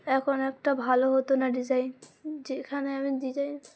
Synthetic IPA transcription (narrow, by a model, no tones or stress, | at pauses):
ɛkʰonɛkʈabʱaloɦot̪onaɖid͡ʑajnd͡ʑekʰaneamid̪id͡ʑajn